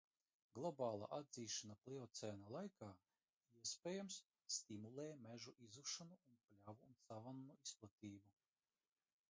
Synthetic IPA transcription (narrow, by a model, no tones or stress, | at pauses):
ɡlˠɔbaːlˠa̰ʔad̪ziːʃanaplˠɛɔt̪sɛːnalˠajkaː | iɛsʲpʲɛːjamsː | t̪imulˠɛːmɛʒuʔizuʃanuunplʲavuːnsavanːuisplˠat̪ʲiːbu